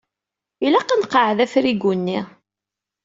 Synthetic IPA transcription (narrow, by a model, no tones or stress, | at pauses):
ilæqːənqəʕðæfɾiɡunːi